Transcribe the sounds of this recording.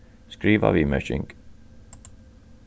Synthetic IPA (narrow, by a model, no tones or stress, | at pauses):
skɾiːʋə̰ʋiːmɛ̰ʃɪ̰ŋɡ